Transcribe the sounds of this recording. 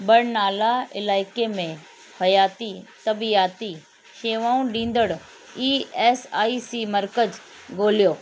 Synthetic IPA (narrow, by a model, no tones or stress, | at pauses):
bɐɽnaːlaɪ̰laːɪkemẽ | hɐjaːt̪it̪ɐbijaːt̪i | ʃeːʋãːũɖĩːn̆d̪əɽ | iːeːsaːisiːmɐɾkəd͡ʑ | ɡoːlijoː